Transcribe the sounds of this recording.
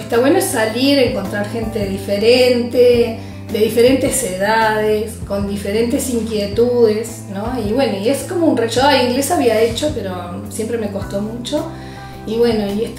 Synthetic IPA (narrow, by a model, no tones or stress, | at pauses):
est̪aβwenoesaliɾeŋko̞nt̪ɾaɾxe̞nt̪e̞ðifeɾent̪e | d̪eðife̞ɾe̞nt̪eseðaðesko̞nd̪ife̞ɾe̞nt̪e̞siŋkjet̪uðes | noiβwe̞no̞iesko̞mounreʃoaiŋɡle̞saβiaet͡ʃo̞pe̞ɾo̞sje̞mpɾemeko̞st̪o̞mut͡ʃo̞ | iβwe̞no̞iest̪